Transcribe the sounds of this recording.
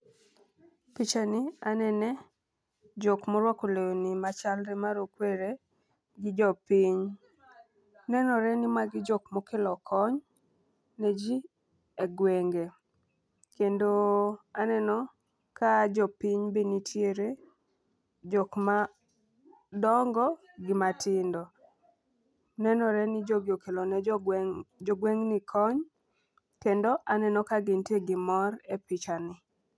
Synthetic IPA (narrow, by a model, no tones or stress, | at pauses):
pit͡ʃanianɛnɛ | d͡ʒokmɔɾwakoleonimat͡ʃalɾɛmaɾokweɾe | ɡɪd͡ʒɔpiɲ | nɛnɔɾɛnɪmaɡɪd͡ʒokmokelɔkʰɔɲ | ned͡ʒi | eɡweŋɡe | kendoanɛnɔ | kad͡ʒɔpiɲbinitʰjeɾe | d͡ʒokma | dɔŋɡɔ | ɡɪmatʰɪndɔ | nɛnɔɾɛnɪd͡ʒoɡɪokelonɛ | d͡ʒoɡweŋnɪkʰɔɲ | kendoʔanɛnɔkaɡɪnteɡɪmɔrepɪt͡ʃanɪ